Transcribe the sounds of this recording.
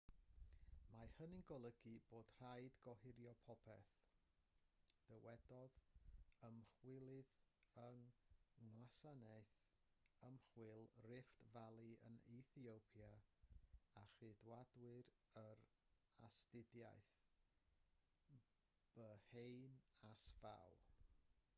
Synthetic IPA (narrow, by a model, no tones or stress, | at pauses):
mahənɪnɡɔlˠəɡiboːd̥r̥ajdɡɔhɪɾjɔpʰɔpʰɛ̰θ | d̥əwɛdɔðəmχwɪlˠɨðəŋŋwasanɛɨθ | əmχwɪlˠrɪftvalˠiə̰niθiowpʰja | aχɨdwadwɨɾ | əɾ | astɪdja̰jθ | b̥əhejnasva̰w